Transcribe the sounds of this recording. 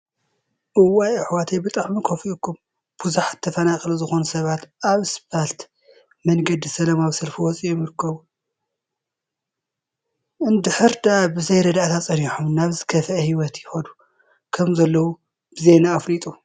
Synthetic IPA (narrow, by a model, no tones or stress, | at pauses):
ʔɨwajɨħwat̪ʰejbɨt̪ʼaʕmikʰofiʔukʰːum | b̥uzuħḁt̪ʰːɐfɐnakʼɨluzɨxo̞nusɐβat̪aβɨsbalt̪ | mɐŋɡɐd̪isɐlɐmaβsɐlfiwɔt͡sʼijɛmɨɾɨkʰːɐβu | ʔɨnd̪ɨħɨɾd̪abɨzɐjɾɐd̪aʔt̪ʰat͡sʼɐniħumnaβzɨkʰɐfɐʔɐhiwɔt̪jɪxɐd̪u | kʰɐmzɐlːɐwu | bɨze̞naːflit̪ʼu